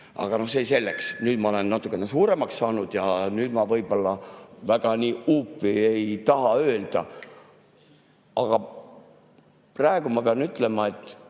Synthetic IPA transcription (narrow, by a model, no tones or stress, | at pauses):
ɑ̰ɡ̥ɑno̞hse̞se̞lːe̞ksnyːd̪mɑo̞le̞nːɑt̪ːˑukːˑenesuːɾe̞mɑkssɑːnud̪̥jɑnyːd̪̥mɑvɤjb̥o̞lːɑvæɡ̥ɑniːupːˑie̞jt̪ɑɦɑø̞ːld̪̥ɑ̰ | ɑɡ̥ɑ | prɑeɡ̥umɑpeɑnyt̪ːˑle̞mɑe̞t̪ː